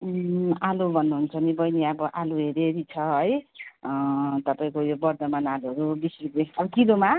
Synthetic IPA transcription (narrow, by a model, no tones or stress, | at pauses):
alubʱʌnːuɦunt͡sʰʌnibʌjniabʌʔaluɦeɾeɾit͡sʰʌɦʌj | t̪ʌpaĩkojobʌrd̪ʌmanaluɦʌɾubisikeʌbʌkiloma